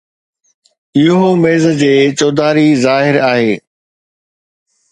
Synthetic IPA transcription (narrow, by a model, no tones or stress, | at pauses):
ɪɦomeːzd͡ʑeːt͡ɕoːd̪aːɾizaːɦɪɾaːɦeː